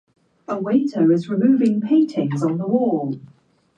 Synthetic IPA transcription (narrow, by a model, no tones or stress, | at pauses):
əwẽɪtʰəʊɪzɹɪmʉːvɪ̃ŋpʰẽɪ̃ntʰɪ̃ŋz̃n̩ðəwɔːlˠ